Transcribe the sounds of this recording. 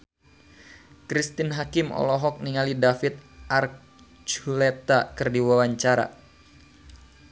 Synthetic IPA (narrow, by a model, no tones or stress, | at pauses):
kɾist̪inɦakɪmɔ̰lɔɦɔk̚niŋalidafɪt̪̚ʔar | t͡ʃulɛt̪akɨrdiwawaɲt͡ʃaɾa̰